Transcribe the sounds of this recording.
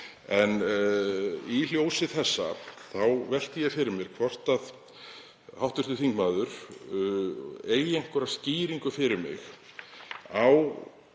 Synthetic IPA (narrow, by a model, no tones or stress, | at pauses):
ɛn | iljoːwsɪθɛsːa̰θawvɛl̥t̪ɪjɛfɪɾɪɾmjɛɾ̥kʰvɔr̥t̪að | hawht̪ʏr̥t̪ʏθiŋkmaːðʏɾ̥ | eːjejŋ̥kœɾḁsciːɾiŋkʏfɪɾɪɾmɪ̰x | aw